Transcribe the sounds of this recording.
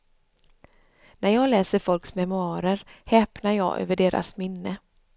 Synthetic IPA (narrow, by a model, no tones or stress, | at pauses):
nʔæɾjɑːɡlɛːsəɾfɔlksmɛmʊɑːɾəɾhɛːpnaɾjɑ̰ːɡʔø̰ːvəɖeːɾʔa̰smɪnːə